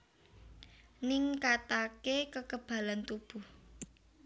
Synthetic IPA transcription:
nɪŋkat̪akekəkəb̥a̤lant̪ub̥ṳh

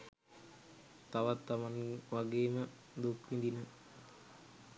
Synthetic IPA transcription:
t̪aʋat̪ːamaŋʋaɡeːmə | d̪ukʋind̪inə

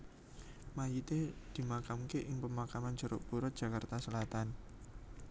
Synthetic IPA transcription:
majit̪ed̪̥i̤makamkeʔɪŋpəmakamand͡ʒ̥ɔɾɔ̰ʔb̥uɾɔt̪̚dʒ̥ä̤kart̪asəlat̪an

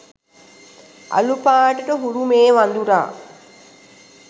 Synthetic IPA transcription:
a̰lupaːʈəʈəɦuɾumeːʋand̪uɾa̰ː

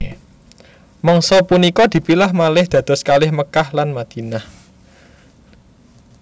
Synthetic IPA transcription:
mɔŋsɔpunikɔd̪̥i̤pilahmalɪhd̪̥ä̤d̪̥ɔ̤skalɪhməkahlanmad̪̥i̤nah

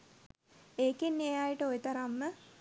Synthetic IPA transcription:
eːkinːejaːjəʈəojet̪aɾamːə

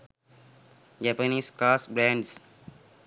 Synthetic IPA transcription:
d͡ʒɛpəniskasbɾɛ̃ɳɖs

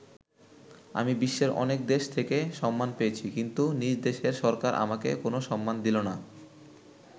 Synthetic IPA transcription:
a̰mibiʃːeɾʔɔ̰nek̚d̪eʃt̪ʰekeʃɔmːanpeet͡ɕʰikint̪unid͡ʑd̪eʃeɾʃɔɾkaɾʔa̰makḛkonoʃɔmːand̪ilona

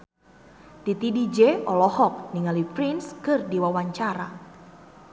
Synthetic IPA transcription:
d̥it̪idid͡ʒeɔlɔhɔk̚niŋalipɾinskɨrdiwawaɲt͡ʃaɾa

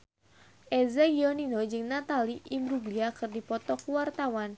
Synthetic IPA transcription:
ʔɛzaɡiɔninod͡ʒɨŋnat̪aliʔimɾubliakɨrdipɔt̪ɔkuwart̪awan

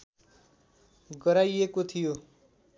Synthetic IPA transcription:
ɡʌɾajekot̪ʰijo

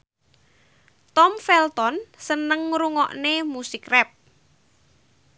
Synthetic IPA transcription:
t̪ɔmfɛlt̪ɔnsənəŋɾuŋɔʔnemusikrɛp̚

